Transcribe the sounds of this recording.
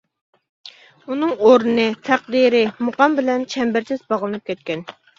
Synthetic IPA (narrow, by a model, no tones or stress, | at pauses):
unɨŋoɾɨnɨt̪ʰæq̚d̪iɾɪmuqɑmbɪlɛnt͡ʃʰɛmbɪɾt͡ʃ̪ʰɪzbɑʁlˠɨnɨp̚kʲɛt̪̚kʲɛn